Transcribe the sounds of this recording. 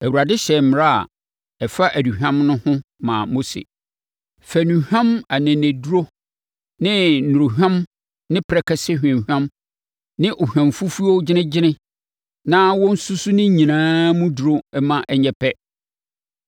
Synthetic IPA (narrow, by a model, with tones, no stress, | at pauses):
æ˨u˨ɾa˨dɪ̃˦ɕɛ˨m̩˦m˨ɾa˦a̰˨ | ɛ˨fa˦ʔæ˨du˨ɦᶣã˦mnʊ̃˦hʊ̃˦mã̰˨mo˦sḛ˨ | fæ˨nũ˨hᶣã˦ma˨nɪ̃˨næ̃˨du˦ɾo˦ | nɪ̃˦nũ˨ɾu˨ɦᶣã˦m | nɪ̃˦pʰɾɛ˨kʰɛ˦sɪ˦hᶣã˨mhᶣã˦m | nɪ̃˦ʔo˨hᶣã˨mfu˦fu˦o˦d͡ʑɪ˦nɪ̃˦d͡ʑɪ˦nɪ̃˦ | nãː˦wɔ̃˦n̩˦su˦su˦nɪ̃˦ɲĩ˨nãː˦mũ˦du˨ɾo˦ɛ˦mã˦ʔɛ˦˨ɲɛ˨pʰɛ˦